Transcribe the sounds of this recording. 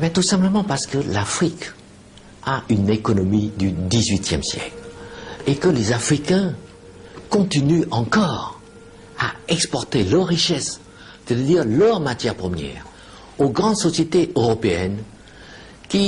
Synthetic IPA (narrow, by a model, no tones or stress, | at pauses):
mɛt̪usɛ̃pləmɑ̃paʁsə̥kəlafχik | aynekɔnɔmid̪yd̪izɥit̪jɛ̰msjɛ̰klekəlezafχikɛ̃ | kɔ̃t̪inyɑ̃kɔːʁ | a̰ɛkspɔʁt̪elœʁːiʃɛs | e̥t̪et̪ad̪iʁlœʁmat̪jɛʁpχəmjɛ̰ːʁ | oɡʁɑ̃d̪sɔsjet̪eʔøʁɔpeɛn | kʲi